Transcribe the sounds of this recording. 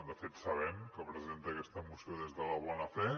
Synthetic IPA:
d̪əfet̪sɐβɛmkəpɾəzent̪əkɛst̪əmusjoðezðəlɐβ̞ɔnɐfɛ

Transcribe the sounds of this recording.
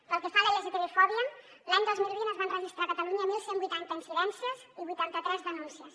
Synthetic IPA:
pəlˠkefaləlɛzit̪əlifɔɾiən | laɲd̪ozmilˠβinəzβanrəʒist̪ɾakət̪əluɲəmilˠsembujt̪ant̪əinsilɛnsiəz | iβujt̪ant̪ət̪ɾɛzðənunsiəs

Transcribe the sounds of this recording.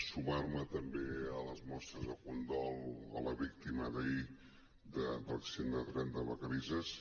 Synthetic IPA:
sumarmət̪əmbeələzmɔst̪ɾəzðəkund̪ɔlˠə̰ləβikt̪iməðəi | d̪əd̪ələksend̪ət̪ɾɛnd̪əβəkəɾizəs

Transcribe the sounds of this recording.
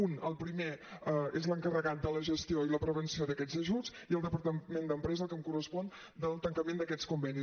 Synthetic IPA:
unəlˠpɾimeezləŋkərəɣat̪̚d̪ələʒəst̪ioiləpɾəβ̞ənsioðəkɛd͡zəʒut͡siəlˠd̪əpəɾt̪əmend̪əmpɾɛzəlkəmkurəspɔn | d̪əlˠt̪əŋkəmend̪əkɛskumbɛni

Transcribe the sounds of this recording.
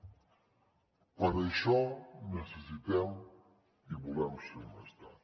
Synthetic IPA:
pɐɾɐʃɔnesesit̪ɛw | iβulɛmsemast̪a

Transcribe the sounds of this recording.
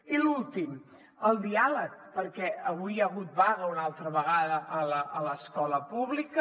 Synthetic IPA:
ilulˠt̪im | əlˠd̪ialək̚pəɾkɛəβujəɣut̪̚βaɣəunalˠt̪ɾəβəɣ̞aðəʔələʔːləskɔləpuβlikə

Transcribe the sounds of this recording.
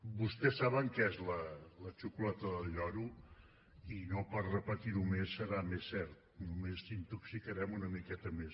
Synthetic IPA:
bust̪ɛsːaβəŋkɛzlələt͡ʃukulɛt̪əðəʎɔɾu | inopəɾrəpət̪iɾumesːəɾamesːɛɾt̪̚numesint̪uksikəɾɛmunəmikɛt̪əmes

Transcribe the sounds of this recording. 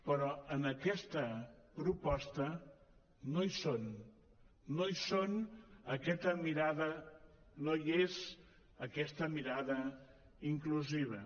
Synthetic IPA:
pəɾɔənəkɛst̪əpɾupɔst̪ə | nojsonː | ojsonəkɛt̪əmiɾaðə | nojez | əkɛst̪əmiɾaðə | iŋkluziβ̞ə

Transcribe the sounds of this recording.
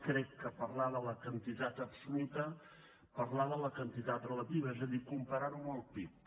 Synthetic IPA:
kɾɛkːəpəɾlaðələkənt̪it̪at̪əpsulut̪ə | pəɾlaðələkənt̪it̪at̪rələt̪iβəezəðikumpəɾaɾuməlˠp̪ip

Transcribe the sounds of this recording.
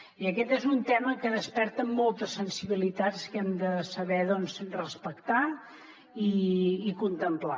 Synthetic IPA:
iəkɛt̪ɛzunt̪ɛməkəðəspɛɾt̪əmːɔlˠt̪əsːənsiβilit̪at͡skɛmd̪əsəβɛðɔnzrəspəkt̪a | iːkunt̪əmpla̰

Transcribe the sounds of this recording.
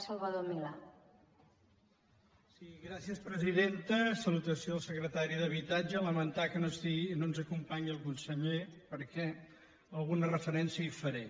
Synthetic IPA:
səlˠβəðomila | siɣɾasiəspɾəziðent̪əsəlut̪əsioðəlˠsəkɾət̪aɾiðəβ̞it̪ad͡ʒələmənt̪akənost̪inonzəkumpaɲiəlˠkunsəʎepəɾkɛ | əlˠɣunərəfəɾɛnsjəifəɾe

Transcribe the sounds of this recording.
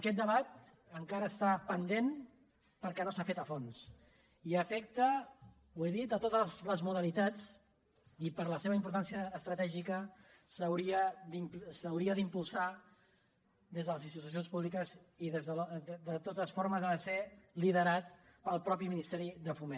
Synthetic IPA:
əkɛt̪̚d̪əβat̪̚ | əŋkaɾəːst̪apənd̪en | pəɾkɛnosafet̪əfons | iəfɛk̚t̪ə | ueðit̪ət̪ot̪əzləzmuðəlit̪at͡s | ipəɾləseβəimpuɾt̪ansiəːst̪ɾət̪ɛʒikə | səwɾiəd̪imsəwɾiəðimpulˠsa | ðezðələzinst̪it̪us̬ionspuβlikəziðezðəld̪ət̪ot̪əsfoɾməzəəseliðəɾat̪̚pəlˠpɾɔpiminist̪ɛɾiðəfumen

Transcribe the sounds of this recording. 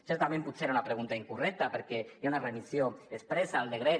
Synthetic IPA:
seɾt̪amẽmput̪seɾaunapɾeɣ̞unt̪aiŋkurɛk̚t̪apeɾkeeaunaremisjoespɾesaːlˠd̪eɣɾe

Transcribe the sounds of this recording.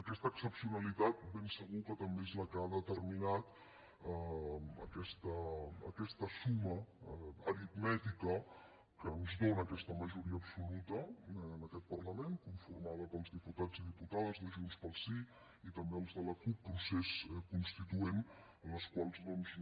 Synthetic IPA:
əkɛst̪əːksəpsiunəlit̪at̪̚bensəɣukət̪əmbeezləkəaðət̪ərminat̪ | əəkɛst̪əə̰kɛst̪əsuməəɾit̪mɛt̪ikə | kəːnzðonəːkɛst̪əməʒuɾiəːpsulut̪ənəkɛt̪̚pərləmenkuɱfurmaðəpəlˠzðiput̪ad͡ziðiput̪aðəzðəʒunspəlˠsi | it̪əmbeəlˠzðələkupːɾuseskunst̪it̪uen | ənləskwalˠznɔmz

